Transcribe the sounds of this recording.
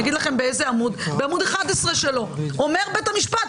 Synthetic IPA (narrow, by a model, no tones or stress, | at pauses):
ɡid̪laχe̞mbeezeamud̪beamud̪eχad̪esʁeʃe̞lo̞ome̞ʁbet̪amiʃpat